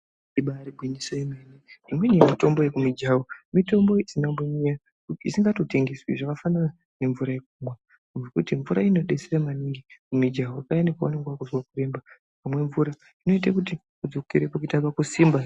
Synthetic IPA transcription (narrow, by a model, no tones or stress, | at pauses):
iɓaɾibwinisoimeneʐimwe̞ɲemito̞mbo̞jekumid͡ʒawomito̞mbo̞isinamboɲija | kuḭsiŋɡato̞te̞ŋɡeswiʐakafanana | ne̞ɱvuɾaje̞k̚umwa | uekutiɱvuɾaino̞ɗe̞seramaniŋɡikumid͡ʒawoakajanekaaneŋɡwakuzwakure̞mba | pamwe̞ɱvuɾa | ino̞itakutikud͡zo̞keɾepakuitapakusiːmba